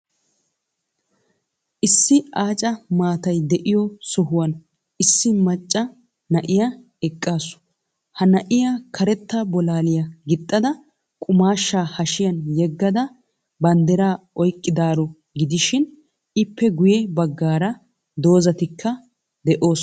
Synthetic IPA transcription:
ʔɪsːɪaːt͡ʃʼɐmaːt̪ɐjd̪ɛʔɪjɔsɔɦʊwɐn | ɪsːɪmɐt͡ʃʼːɐ | nɐʔɪja | ɛkʼːaːsʊ̥ | hɐnɐʔɪjakʰɐɾɛt̪ːɐbɔlaːlɪjɐɡɪt̪ʼːɐd̪ɐ | kʼʊmaːʃːaːhɐʃɪjɐnjɛɡːɐd̪ɐ | bɐnd̪ɛɾaː | ɔjkʼːɪd̪aːɾɔ | ɡɪd̪ɪʃɪn | ɪpːɛɡʊjɛbɐɡːaːɾɐ | d̪o̞ːzɐt̪ɪkʰːɐ | d̪ɛʔo̞ːs

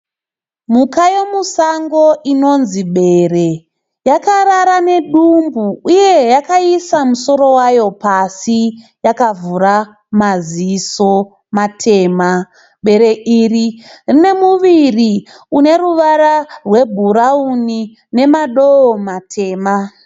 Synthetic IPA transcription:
mukaje̞musaŋɡo̞ʔino̞nziɓe̞re̞ | jakaɾaɾane̞ɗumbuuje̞jakaisamuso̞ɾo̞wajo̞pasi | jakavuɾa | maziso̞ | matʰe̞ːma | ɓe̞ɾe̞ʔiːririne̞muʋiri | une̞ruʋaɾarwe̞bʱuɾauni | ne̞maɗoomatʰe̞ːma

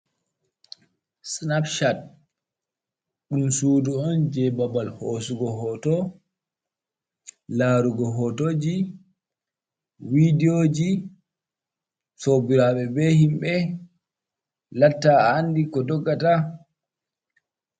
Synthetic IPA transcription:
snapʃat̚ | ɗumsuːduɔnd͡ʒɛbabalhosuɡɔɦɔːtɔ | laːɾuɡɔɦɔtoːd͡ʒi | widioːd͡ʒi | sobiɾaɓɛbɛhimɓɛ | latːaaːndikɔdɔɡːata

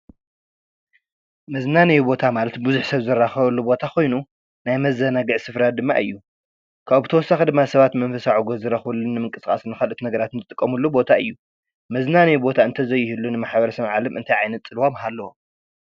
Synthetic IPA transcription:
mɐznanijubo̞t̪ʰamalɐt̪bɨzuħsɐβzɨɾːaxɐβɐlːubo̞t̪ʰakʰo̞jnu | najmɐzɐnaɡɨʕsɨfɾad̪ɨmːa̰ʔɨjːu | kʰaβbɨt̪ʰɐwɔsːaxɨd̪ɨmːasɐβat̪mɐnfɐsaʕuɡozɨɾɐxβulːɨnːɨmɨŋkʼɨskʼa̰snɨxɐlʔɨt̪nɐɡɐɾat̪ɨnzɨt̪ʼɨkʼːɐmulːubo̞t̪ʰaɨjːu | mɐznanijubo̞t̪ʰaɨnt̪ʰɐzɐjːɪhilːunɨmaħbɐɾɐsɐβʕalɐmʔɨnt̪ʰajʕajnɐt̪sʼɨlwomɦalːɐwo

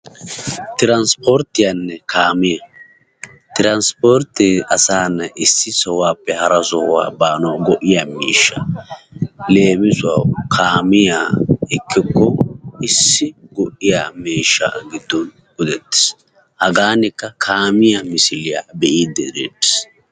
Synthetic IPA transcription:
t̪ɪɾɐnspoɾt̪ːɪjanːɛkʰaːmɪjɐ | t̪ɪɾɐnspoːɾt̪ɪɐsaːnːɐʔɪsːɪsɔwaːpːɛhɐɾɐsɔhʊwa̰ːbaːnɔɡɔʔːɪjamḭːʃːa | le̞ːmɪsʊwakʰaːmɪjaɪkʰːɪkːɔɪsːɪɡɔʔːɪjaːmiːʃːa̰ɡɪd̪ːɔn | ɡ̥ɔd̪ɛt̪ːɪ̥s | hɐɡaːnɪkːɐkʰaːmɪjamɪsɪlɪja̰bɛʔiːd̪ːɛd̪ḛːt̪ːɪ̥s

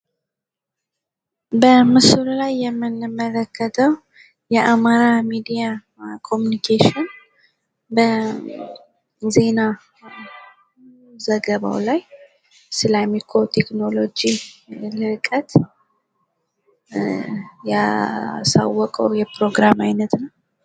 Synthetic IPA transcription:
bəmɨsɨllajːɛmːɨnɨmələkʰːət̪ʰəw | jɛʔamaɾamid̪ija | kʰo̞munikʰeʃɪn | bə | ze̞na | zəɡəβa̰wlaj | sɨlamikʰo̞t̪ʰekno̞lo̞d͡ʒilɨkʼət̪ | ja̰sa̰wːɔkʼə̰wjɛpɾo̞ɡɾamajnət̪nəw

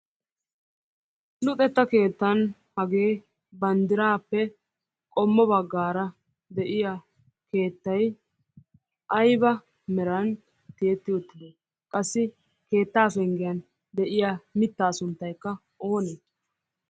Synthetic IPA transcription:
lʊt̪ʼɛt̪ːɐke̞ːt̪ːɐn | hɐɡeː | bɐnd̪ɪɾaːpːɛ | kʼɔmːɔbɐɡːaːɾɐ | d̪ɛʔɪja | ke̞ːt̪ːɐj | ʔɐjbɐ | mɛɾɐn | t̪eɛt̪ːɪɔt̪ːɪd̪e | kʼɐsːɪ | ke̞ːt̪ːaːfɛŋɡɪjɐn | d̪ɛʔɪjamɪt̪ːaːsʊnt̪ːɐjkːɐ | ʔo̞ːneː

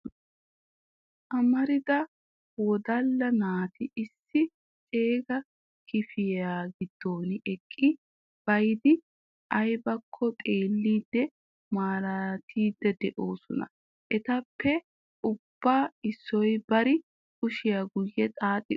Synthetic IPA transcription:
ʔɐmɐɾɪd̪ɐ | wɔd̪ɐlːɐnaːt̪ɪɪsːɪ | t͡sʼe̞ːɡɐ | kɪfɪjaːɡɪd̪̥ːo̞ːnɛkʼːɪ | b̥ɐjd̪ɪ | ʔɐjbɐkʰːɔt̪ʼe̞ːlːiːd̪ːɛ | maːɾɐt̪ʰiːd̪ːɛd̪ɛʔoːsɔnɐ̰ | ʔɛt̪ɐpʰːɛ | ʔʊb̥ːaːɪsːɔjbɐɾɪ | kʼʊʃɪjaɡʊjːɛt̪ʼaːt̪ʼːɪ

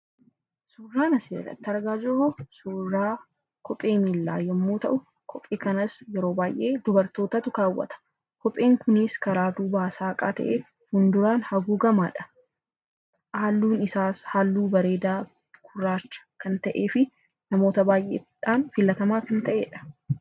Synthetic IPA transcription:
suːrːaːnɐsḛrːɐ̰t̪ːɪɐɾɡaːd͡ʒɔhosuːrːaː | kʰɔpʼe̞ːmilːa̰ːjɐmːoːt̪ɐ̰ʔʊ | kʰɔpʼːeːkɐnɐsjɛɾo̞ːbaːjʔe̞ːd̪ʊbɐɾt̪o̞ːt̪ɐt̪ʊkaːwːɐ̰t̪ɐ̥ | kɔpʼːeːŋkʊnɪskɐɾaːd̪uːbaːsaːɐkʼa̰ːt̪ɐ̰ʔeː | hʊnd̪ʊɾaːnhɐɡuːɡɐmaːᶑɐ̥ | ʔaːlːuːnɪsaːshaːlːuːbɐɾe̞ːd̪aː | kʰʊrːaːt͡ʃːɐ̥kɐnt̪ɐʔe̞ːfɪ | nɐmo̞ːt̪ɐbaːjʔeːᶑaːnfɪlːɐt̪ɐmaːkɐnt̪ɐʔeːᶑɐ̥

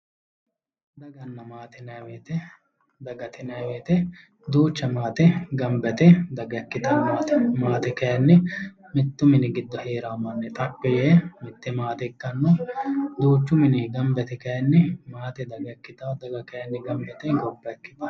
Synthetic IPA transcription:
d̪ɐɡɐnːɐmaːt̪ɪnɐweːt̪ɛ | d̪ɐɡɐt̪ɪnɐjweːt̪ɛ | d̪uːt͡ʃːɐmaːt̪ɛɡɐmbɛt̪ɛd̪ɐɡɐkːɪt̪ɐnmaːt̪ɛmaːt̪ɛkɐjɐnːɪ | mɪt̪ːʊmɪnɪɡɪd̪ːɔheːɾamːɐnːɛt̪ʼɐpːɔjeːmɪt̪ːɛmaːt̪ɛkːɐnːod̪uːt͡ʃːʊmɪnɪɡɐmbɛt̪ɛkɐjɐnːɪmaːt̪ɛd̪ɐɡɐkːɪt̪aːd̪ɐɡɐkɐjɐnːɪɡɐmbɛt̪ɛɡɔbːɐɛkːɪt̪ɐ

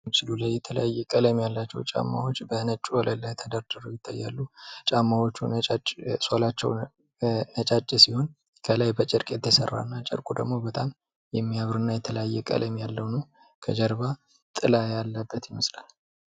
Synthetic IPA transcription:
mt͡ʃɪlulajɛt̪ʰələjajːɛkʼələmjalːat͡ʃːɛ̰wt͡ʃʼa̰mːa̰wo̞t͡ʃːbənət͡ʃʼːuwɔləlːajt̪ʰəd̪əɾd̪ɨɾojɪt̪ʰːajːa̰lːut͡ʃʼamːawo̞t͡ʃːunət͡ʃʼat͡ʃʼːsolat͡ʃːɛ̰w | nət͡ʃʼat͡ʃʼːisiho̞n | kʰəlajbət͡ʃʼɪɾkʼet̪ʰːəsə̰rːa̰nːat͡ʃʼə̰ɾkʼud̪ə̰ɡmo̞bət̪ʼam | jɛmːiaβɾɨnːajɛt̪ʰələjajːɛkʼə̰ləmjalːəwnəw | kʰəd͡ʒəɾβa | t̪ʼɨlajalːəbːət̪jɪməslal

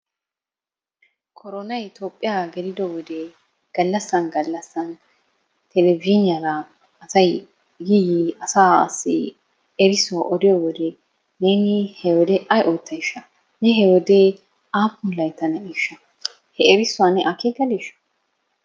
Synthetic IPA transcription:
kʰɔɾɔnɐjt̪oːpʼːɪjaːɡɛlɪd̪ɔwɔd̪ɛ | ɡ̥ɐlːɐsːɐnɡɐlːɐsːɐn | t̪ʰɛlɛbnɪjɐɾɐ | ɐsɐj | jɪjɪɐsaːɐ̰sːɪ̰ | ɛɾɪsʊwaʔɔd̪ɪjɔwɔd̪ɛ | neːnɪhɛwɔd̪ɛʔɐjʔɔjt̪ːɐjɪʃːɐ | nɛɦɛwɔd̪ɛ | aːpːʊnlɐjt̪ːɐnɛiʃːɐ | hɛɛɾɪsʊwanɛʔakeɡɐliʃɐ̥

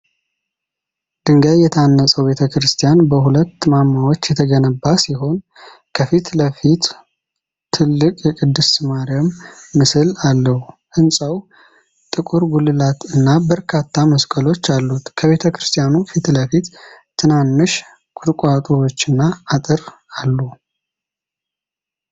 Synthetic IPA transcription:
d̪̥ɨŋɡajːɛt̪ʰanːəsʼəwbe̞t̪ʰəkɾɨst̪ʰijanbəhulət̪ːɨmamːawot͡ʃːjɛt̪ʰəɡənəbːasiɦo̞n | kʰəfit̪ləfit̪ʰː | ɨlːɨkʼjɛkʼɨd̪ːɨsmaɾijamːɨsɨlalːəhuʔɨnsʼəw | t̪ʼɨkʼuɾɡulɨlat̪ɨnːabəɾkʰat̪ʰːaməskʼəlo̞t͡ʃːalːut̪kʰəβe̞t̪ʰəkɾɨst̪ʰʼijanufit̪ləfit̪ʰː | ɨnanːɨʃ | kʷʼʊɾkʼat̪ʼuwo̞t͡ʃːɨnːaːt̪ʼɨr | alːu

